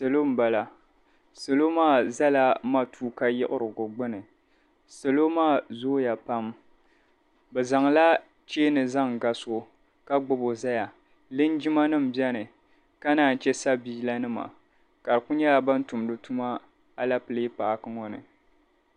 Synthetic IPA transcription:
se˨lo˦m̩˦ba˨la˨ | se˨lo˦maː˦˨za˦la˦ma˦tʰuː˦ka˦jɪ˦ʔʊ˦ɾɨ˨ɡʊ˨ɡ͡bɨ˦nɨ˨ | se˨lo˦maː˦˨zoː˦ja˨pa˦m | bɛ˨za˨ŋla˦ | t͡ʃeː˦nɨ˨za˦ŋ˨ɡa˨so˦˨ | ka˦ɡ͡bʊ˨bo˨za˦ja˨ | lɨ˦n˦d͡ʒi˦ma˦nɨ˦m̩˨bjɛ˦nɨ˨ | ka˦naː˨˦˨n̩˨t͡ʃɛ˦sa˦biː˦la˦nɨ˦ma̰˨ | ka˨ɾɨ˨ku˦ɲɛ˦la˨ba˦n˦tu˨m˨dɨ˨tu˦ma˦ | a˦la˦pɨ˨lɨ˦paː˨kɨ˦ŋɔ˦nɨ̰˨

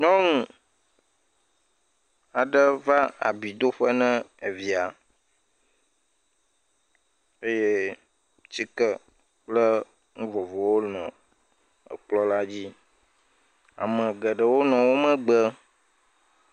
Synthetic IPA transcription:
ɲɔ̃˦ŋũ˨ | a˨ɖə˦va˦a̰˨bi˨d̪o˦ɸə˦nɛ̃˦e˨vi˨a˨ | e˦je˦ | t͡ɕi˦kə˦ | k͡plə˦ | ŋũ˦vɔ˨vɔ˨wo˦nɔ̰̃˨ | ə̰˨k͡plɔ˦la˦d͡ʑi˦ | a̰˨mə̃˨ɡə˨ɖə˨wo˦nɔ̃˨wo˦mə̃˦ɡ͡bə˦

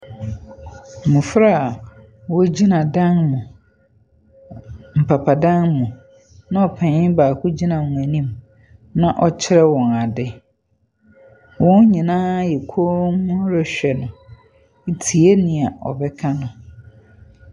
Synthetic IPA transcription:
mũ˨fɾa˦˨a˨ | wɔ˦d͡ʑi˦nã˨dã˦ŋmʊ̃˨ | m̩˨pʰa˨pʰa˨dã˦ŋmũ˨ | nã˦ɔ˨pʰɛ̃˨˦baː˨kʰʊ˦d͡ʑi˦nã˨ũ˨æ˨nĩ˦m | nã˦˨ʔɔ˨t͡ɕʰɪ˦ɾɛ˦wɔ̃˨na˨dɪ˦ | wɔ̃˦n˦ɲĩ˨nãː˦jɛ˨kʰo˦mʊ̃˦ɾɛ˨ɕᶣɛ˨nʊ̃˨ | i˨tʰi˨e˦nĩ˨a˨ɔ̰˨bɛ˦kʰa˦nʊ̃˨

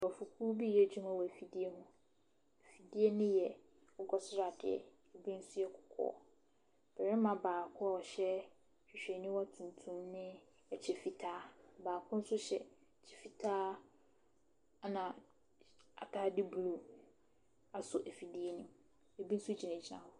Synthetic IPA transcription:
wfu˨kʰuː˦bi˦˨ɛ˦˨d͡ʑᶣũ˦mã˦wɔ˨æ˨fi˨di˦e˦ɦʊ̃˦ | ɛ˨fi˨di˦e˦nɪ̃˦jɛ˨ | ɔ˦ɡɔ˨sʊ˦ɾa˨dɪ̰˨ɛ̰˨ | ɛ˨bĩ˦n̩˦sʊ˦jɛ˦kʰʊ̥˨kʰɔ̰ː˦˨˦ | b̥ɛ˨ɾɛ˦mã˨baː˨kʰʊ̃˦a˦˨ɔ˨ɕɛ˦ | ɕᶣi˨ɕᶣɛ˨nĩ˦wa˦tʰũ˨ntʰũ˦mnɪ̃˦ | ɛ˨t͡ɕʰɛ˨fi˦tʰaː˦baː˨kʰʊ̃˦n̩˦sʊ˦ɕɛ̰˨ | t͡ɕʰɛ̥˨fi˨tʰaː˦ | nã˨ | a˨tʰaː˦di˦blu˨ | a˨sʊ˨ʔæ˨fi˨di˦e˦nĩ˦m | e˨bi˦n̩˦su˦d͡ʑʰi˨nã˨d͡ʑʰi˦nã̰˨hʊ˦

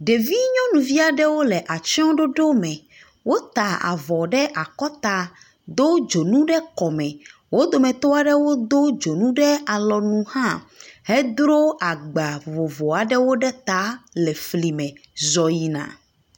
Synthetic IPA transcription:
ɖe˨vi˦ɲɔ̃˦nũ˨vi˦a˨ɖɛ˦wo˦lɛ˨ʔa˨t͡ʃɔ̃˦ɖo˦ɖo˦mɛ̃˨ | wo˦t̪a˨a̰˨vɔ˨ɖɛ˦ʔa˨kɔ˦t̪a˨ | d̪o˦d͡ʒo˨nũ˦ɖɛ˦kɔ˨mɛ̃˨ | wo˦d̪o˨mɛ̃˨t̪ɔ˦a˨ɖɛ˦wo˦d̪o˦d͡ʒo˨nũ˦ɖɛ˦a˨lɔ˨nũ˦hã˦he˦d̪ɾo˦ʔa˨ɡ͡ba˨vo˨vɔ˨a˨ɖɛ˦wo˦ɖɛ˦t̪a˦lɛ˨fli˨mɛ̃˨zɔ˨ji˨nã̰˨

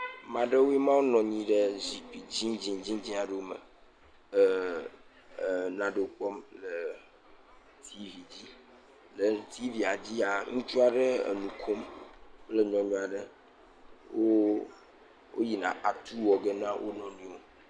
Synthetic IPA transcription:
mã˨ɖe˦wo˦i˦mã˦wo˦nɔ̃˨ɲĩ˦ɖe˦zi˨k͡pi˨d͡ʑĩ˦d͡ʑĩ˦d͡ʑĩ˦d͡ʑĩ˦a˨ɖe˦o˦mə̰˨ | nã˨ɖo˨˦k͡pɔ˦mlə˨ | t̪ʰi˦vi˨d͡ʑi˦ | lə˨t̪i˦vi˨a˨d͡ʑi˦a˨ŋũ˦t͡ʃu˦a˨ɖə˦ḛ˨nũ˨kʰo˦mk͡ple˦ɲɔ̃˨ɲɔ̃˦a˨ɖə˦ | wo˦ | wʔo˦ji˨nã̰˨ʔa˨t̪ʰu˦wɔ˨ɡe˦nã˦wʔo̰˦nɔ̃˨nĩ˦wo˦

